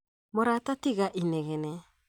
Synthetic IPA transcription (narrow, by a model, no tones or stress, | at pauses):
moɾatatiɡaʔineɡene